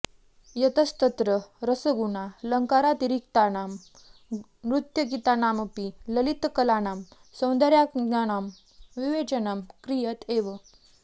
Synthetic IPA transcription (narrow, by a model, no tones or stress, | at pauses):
jət̪əst̪ət̪ɾəɾəsəɡuɳaləŋkaɾat̪iɾik̚t̪anam | ɾut̪jəɡit̪anaməpiləlit̪kəlanam | sɐ̃w̃nd̪əɾjaanam | ʋiʋet͡ɕənəmkɾijət̪ʰeʋə